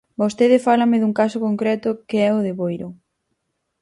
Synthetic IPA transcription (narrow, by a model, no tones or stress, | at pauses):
bost̪eðɪfalɐmɪðuŋkasʊkoŋkɾɛt̪ʊkeɛʊðeβojɾʊ